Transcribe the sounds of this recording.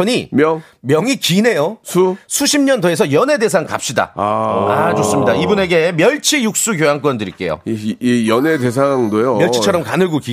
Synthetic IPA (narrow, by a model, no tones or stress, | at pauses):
ʌɲimʌŋ | mjʌŋikine̞josʰusʰuɕʰimɲʌndoe̞s̬ʰʌjʌne̞de̞sʰaŋka̰p̚ɕ͈ida̰a̰d͡ʑos͈ɯmɲidaibune̞ɡe̞mjʌɭt͡ɕʰijuk̚s͈uk̬jojaŋk̬͈wʌndɯɾḭk͈e̞̰jo̰jʌnedesʰaŋdojomjʌɭʰit͡ɕʰʌɾʌmkanɯɭɡuki